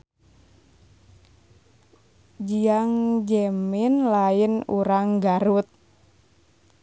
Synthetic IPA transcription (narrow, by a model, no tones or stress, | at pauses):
d͡ʒiaŋd͡ʒɛminlainṵɾaŋɡaɾut̪̚